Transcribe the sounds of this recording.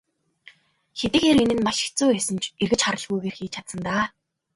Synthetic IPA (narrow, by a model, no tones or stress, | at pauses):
xet̪ɘ̆kxeːɾenɘ̆nmaʃɪ̥̆kt͡suːæːsɘ̆nt͡ɕerɣɘ̆t͡ɕχaɾə̆ɮɣujɣeːrxiːt͡ɕʰat̪sə̆nt̪aː